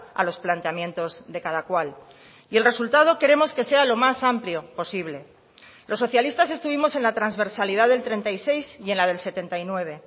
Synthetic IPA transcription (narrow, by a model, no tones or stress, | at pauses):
a̰lo̞splant̪eamjẽ̞nt̪o̞zðe̞kað̞akwal | ie̞lre̞sult̪að̞o̞ke̞ɾe̞mo̞ske̞se̞alo̞masampljo̞po̞siβle̞ | lʔo̞sːo̞θjalist̪ase̞st̪uβimo̞se̞nlat̪ɾanzβe̞ɾsaliðaðe̞lt̪ɾe̞nt̪aise̞jsje̞nlað̞e̞lse̞t̪e̞nt̪ajnwe̞β̞e̞